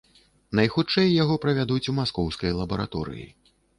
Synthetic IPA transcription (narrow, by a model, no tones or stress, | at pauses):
nɐjxut͡ʂɛjːaɣɔpɾɐvʲad̪ut͡sʲumaskɔwskɐjlˠɐbɐɾa̰t̪ɔɾɨ̰jḭ